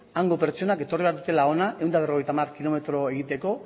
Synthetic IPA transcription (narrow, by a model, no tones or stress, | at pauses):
aŋɡo̞peɾt͡ʃo̞nake̞t̪o̞riβaɾðut̪e̞lao̞naʔe̞wnd̪aβ̞roe̞jt̪amarkilo̞me̞t̪ɾo̞e̞ɣ̞it̪e̞ko̞